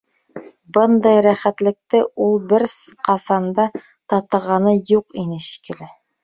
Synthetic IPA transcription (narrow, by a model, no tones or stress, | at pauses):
bɤnd̪ɑjɾæχæt̪lɘ̆k̚t̪ɘulˠbɘɾs | qɑsɑnd̪ɑ | t̪ɑt̪ɤ̆ʁɑnɤjuqinɘɕi̥kɘ̆lɘ